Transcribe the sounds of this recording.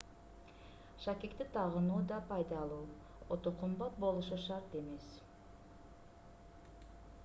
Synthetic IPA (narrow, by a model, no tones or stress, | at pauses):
ʃakʲekt̪ɪt̪ʰɑʁənuːd̪ɑpʰɑjd̪ɑlˠuː | ot̪oqʰʊmbɑt̪̚bo̞lˠuʃuʃɑɾt̪e̞me̞s